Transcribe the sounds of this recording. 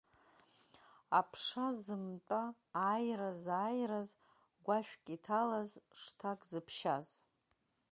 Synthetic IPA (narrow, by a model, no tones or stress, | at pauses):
apʰʂazɨmtʷʼaː | jrazaːjraz | ɡʷaʃᶣkʲʼitʰalazʂtʰakʼzɨpʰʃaz